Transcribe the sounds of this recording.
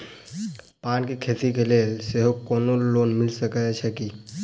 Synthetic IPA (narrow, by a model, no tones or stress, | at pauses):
paːnkikʰeːt̪ikeleːlseɦokɔːnoloːnmɪlsəkət͡ʃʰɛki